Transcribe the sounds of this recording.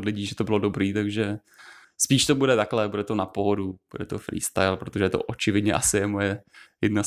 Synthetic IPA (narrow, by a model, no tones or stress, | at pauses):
dlɪɟiːʒɛt̪obɪlo̞dobɾiːt̪aɡʒɛ | spiːʃt̪o̞budɛt̪aklɛbudɛt̪onapoɦodub̥udɛt̪ofɾḭːst̪a̰jlpɾot̪oʒɛjɛt̪o̰ʔot͡ʃɪvɪdɲɛʔasɪjɛmojɛjɛdna